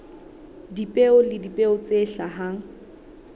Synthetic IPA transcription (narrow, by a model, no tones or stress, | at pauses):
dipʼeʊlɪdipʼeʊt͡seɬaɦa